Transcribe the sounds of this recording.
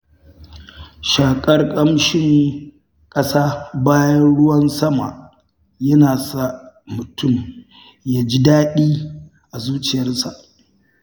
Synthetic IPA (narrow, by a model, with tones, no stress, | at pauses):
ʃaː˨kʼɐ˦rkʼɐ˦mʃɪ˦ŋ | kʼɐ˦saː˦baː˦jɐ˦nɽʊ˦wɐ˦nsɐ˦ma̰˨ʔ | jɐ˦naː˨sa˦mʊ˨tʰʊ˦˨m | jaː˦d͡ʒi˦daː˦ɗiː˦ | ʔa˨zuː˦t͡ʃɪ˨jɐ˦rsa˨ʔ